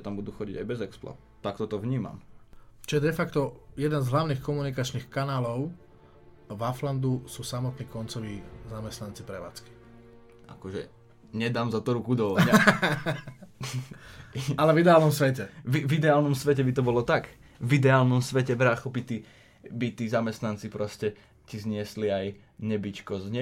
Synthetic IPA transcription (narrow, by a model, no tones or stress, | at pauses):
ʒɛt̪ambud̪uxɔɟiɟa̰jbɛzɛkspla̰ | t̪akt̪ɔt̪ɔʋɲiːma̰mt͡ʃɔjɛd̪ɛfakt̪ɔjɛd̪ɛnzɦlaʊniːxkɔmunikat͡ʃniːxkanaːlɔʊ | vafland̪usuːsamɔt̪niːkɔnt͡sɔʋiːzamɛst̪nant͡sipɾɛʋa̰ːt͡ski̥ | ʔa̰kɔʒɛ̰ | ɲɛd̪aːmzat̪ɔɾukud̪ɔʋɔɲa | alɛvid̪ɛaːlnɔmsʋɛcɛvivid̪ɛaːlnɔmsʋɛcɛbit̪ɔbɔlɔt̪ak | vid̪ɛaːlnɔmsʋɛcɛbɾaːxɔbit̪i | bit̪iːzamɛst̪nant͡sipɾɔscɛ | cizɲɪɛsliaj | ɲɛbit͡ʃkɔzɲɛ